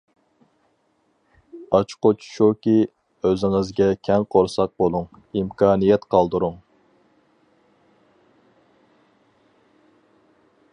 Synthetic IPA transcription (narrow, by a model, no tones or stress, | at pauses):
ɑt͡ʃʰqot͡ʃʰʃukʲi | øzɪŋɪzɡʲɛkʲʰɛŋqʰoɾsɑq̚bolˠuŋ | imkʰɑːnijɛt̪qʰɑlˠd̪uɾʊŋ